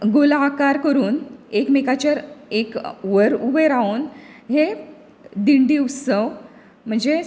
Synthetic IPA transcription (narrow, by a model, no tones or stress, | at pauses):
ɡolaːkaɾkəɾuːnekmekat͡ɕəɾekʋəɾubəɾanɦe | d̪iɳɖiːusəʋ | m̤əɳd͡ze